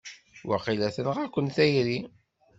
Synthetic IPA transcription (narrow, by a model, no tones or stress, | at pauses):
wa̰qilæθənʁækʷːənθæjɾi